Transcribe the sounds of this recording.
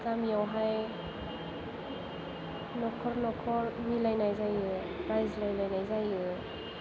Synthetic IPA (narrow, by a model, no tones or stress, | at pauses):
kamijawɦaj | nɔkʰɔɾnɔkʰɔɾmilajnajzajɯ | ɾajzlajlajnajzajɯ